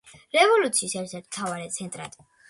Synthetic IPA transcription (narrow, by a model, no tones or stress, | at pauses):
ɾɛvɔlut̪sʰiːsɛɾt̪ʰɛɾt̪ʰm̥t̪ʰavaɾɛt̪sʰɛnt̪ʼɾa̰d̪̥